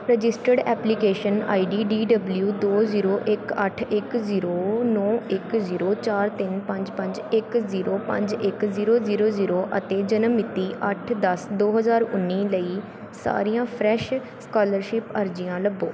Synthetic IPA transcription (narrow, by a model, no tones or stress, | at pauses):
ɾəd͡ʒɪsʈəɾɖɛ̰ːplikeːʃəna̰ːiːɖiːɖiːɖəbljuːd̪oːziːɾoːʔɪkəʈʰɪkziːɾoːnɔːɪkziːɾoːt͡ʃaːɾt̪ɪnpə̃ɲd͡ʒpə̃ɲd͡ʒɪkziːɾoːpə̰̃ɲd͡ʒɪkziːɾoːziːɾoːziːɾoːʔət̪eːd͡ʒənəmːɪt̪ːiːʔəʈʰd̪əsd̪oːɦəzaːɾʊnːiːləiː | sa̰ːɾijãːpʰɾɛːʃ | skaːləɾʃɪpəɾd͡ʒijãːləboː